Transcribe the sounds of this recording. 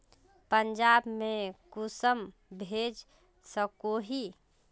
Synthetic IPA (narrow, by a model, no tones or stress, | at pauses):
pənd͡ʒabmẽkusəm | bʱed͡ʒ | səkoɦi